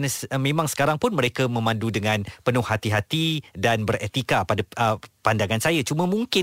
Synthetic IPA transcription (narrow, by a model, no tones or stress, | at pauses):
namẽmãŋsə̥kaɾaŋpʊnməɾekamə̃mãndudəŋãnpənʊhat̪iɦat̪idanbəɾet̪ikapadaəpandaŋansajat͡ʃuməmuŋkɪ